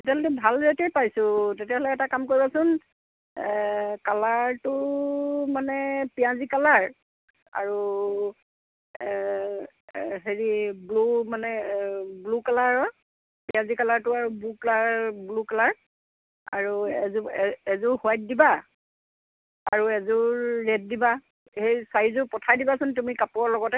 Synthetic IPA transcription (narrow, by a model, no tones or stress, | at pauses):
tetaltɛbʱalɹetɛpajsʊ̃tetijalɔkɛtakamkoɹibasʊn | kalaɹtʊ | manɛpijãzikalaɹ | a̰ɹu | ɦeɹiblumanɛblukalaɹɔ | pijãzikalaɹtʊaɹubuklaɹblukalaɹ | a̰ɹuɛzuɛɛzʊhʊajt̚diba | aɹuɛzʊːɛd̚diba | hejsaizʊpɔtʰajdibasʊntumikapʊɔlɔɡɔtɛ